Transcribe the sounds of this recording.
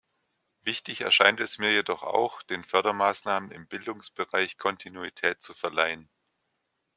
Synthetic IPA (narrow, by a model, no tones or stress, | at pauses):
vɪçtɪçɛ̰ɐʃaɪntɛsmiːɐjedɔχa̰ʊxd̥eːnfœɐɾɐmaːsnaːmənɪ̰mbɪldʊŋsb̥əʁaɪçkʰɔntʰinuitʰɛːtt͡sufɛɐlaɪən